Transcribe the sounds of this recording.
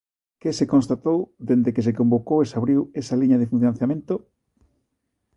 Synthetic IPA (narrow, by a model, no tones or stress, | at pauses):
kesekõnst̪at̪owd̪end̪ekes̬ekõmbokowesaβɾiwesɐliɲɐðefun̟θjonanθjamẽnt̪o